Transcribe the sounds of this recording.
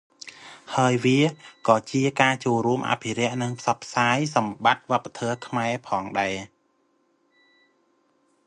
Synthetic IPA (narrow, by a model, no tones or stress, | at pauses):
haəjʋiəkɑːt͡ɕiəkaːt͡ɕoːlruəmʔa̰ːpʰiɾɛ̆əʔnɨŋpʰsɑpʰːsaːjsɑmɓat̪̚ʋŏəpːat̪ʰɔːkʰmaɛpʰɑːŋɗaɛ